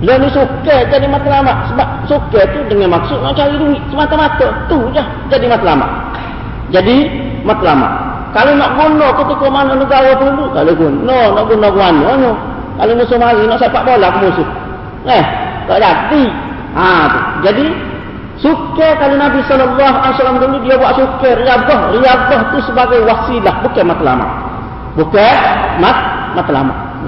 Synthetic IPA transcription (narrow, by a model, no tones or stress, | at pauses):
lonisuked͡ʒadimat̪alamaʔ̪səbap̚suket̪udəŋanmaksʊt̪̚nɔʔt͡ʃaɾiduiʔsəmat̪amat̪ot̪ud͡ʒah | d͡ʒadimat̪lama̰ʔ | d͡ʒadi | mat̪lama̰ʔ | kalonɔʔɡunokət̪ikɔmanonuɡawɔp̪əulukaloɡunɔnɔʔɡunoɡuanono | kalimusumaɡinɔʔsɛpaʔbolakmusʊh | ŋɛhtaʔdat̪i | at̪ṵd͡ʒadi | sukɛkalinabisɔlɔlːaɦalisalamd̪ud̪udiabuaʔsukɛriab̚ɔɦriab̚lɔht̪usəbaɡajwasilahbukɛmat̪la̰ma̰ | bukɛmat̪̚mat̪la̰ma̰